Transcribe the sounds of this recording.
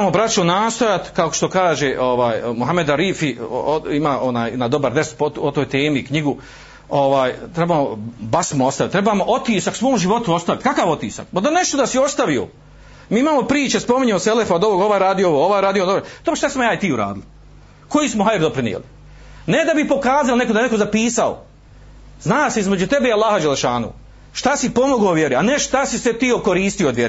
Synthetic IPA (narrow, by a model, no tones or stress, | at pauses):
mobɾat͡ʃonaːst̪ojat̪kaokoʃt̪okaːʒeʔo̞ʋaːjmuɦame̞d̪aɾiːfioimaːʔonaːjnad̪o̞baɾd̪espoot̪oːjt̪eːmikɲiɡu | oʋaːjt̪ɾebaːmobasmoost̪ait̪ːɾebaːmoʔo̞t̪iːsaksʋoːmʒiʋo̞t̪uo̞st̪aʋit̪kakaːʋo̞t̪iːsa̰k̚pad̪one̞ʃt̪o̞d̪asio̞st̪aʋio̰ | miːimaːmo̞pɾiːt͡ʃespo̞miɲeoselefaod̪oʋoːɡoʋaːjɾaːd̪iooʋooʋaːjɾaːd̪iod̪oɾd̪oboʃt̪asimojaːjt̪iːuɾa̰ːd̪ili | ko̞jiːsmoɦajɾd̪opɾinḭḛli | ne̞d̪abipo̞kaːzalone̞kod̪ajnekozapiːsao̰ | znaːseizme̞d͡ʑut̪e̞beialˠːaːhad͡ʒelːeʃaːnṵː | ʃt̪asipo̞moɡoːʋjeɾianeʃt̪asiset̪iːokoɾiːst̪ijod̪ʋjeɾi